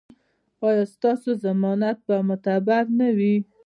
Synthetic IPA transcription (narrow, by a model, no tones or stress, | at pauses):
ɑjɑst̪ɑsozamɔnat̪̚bamʊt̪abaɾnawi